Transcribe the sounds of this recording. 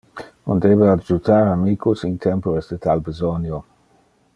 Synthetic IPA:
ṵnd̪ebead͡ʒut̪aɾamiːkusint̪ʰɛmpoɾesd̪et̪albezɔnjo

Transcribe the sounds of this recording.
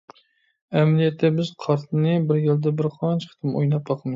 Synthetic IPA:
æmælijɛt̪ʰːɛbɪzqʰɑɾt̪ʰɨnɨbɪɾjɪld̪ɛbɪɾqʰɑnt͡ʃʰqʰɨ̥t̪ʰɨmo̰jnɑp̚bɑqʰɨmɨ

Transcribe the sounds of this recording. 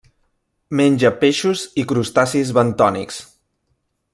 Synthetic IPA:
menʲd͡ʒəpeʃuzikɾust̪asizβənt̪ɔnḭks

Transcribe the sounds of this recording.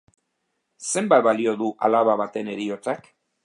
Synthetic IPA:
se̞mbat̪̚βalio̞ðuʔa̰laβaβat̪e̞ne̞ɾio̞t͡sak

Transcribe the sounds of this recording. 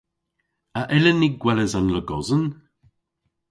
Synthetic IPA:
aʔɛlənːiɡwɛləzanləɡɔzən

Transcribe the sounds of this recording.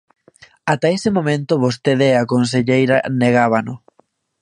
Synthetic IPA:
at̪aesɪmomẽnt̪oβost̪eðeakonseʎejɾaneɣaβanʊ

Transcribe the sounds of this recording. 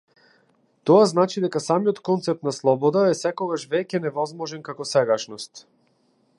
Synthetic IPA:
t̪ɔaznat͡ʃid̪ɛkasamijɔt̪kɔnt̪sɛp̚t̪naslˠɔbɔd̪aɛsɛkɔɡaʃvɛcɛnɛvɔzmɔʒɛnkakɔsɛɡaʃnɔst̪

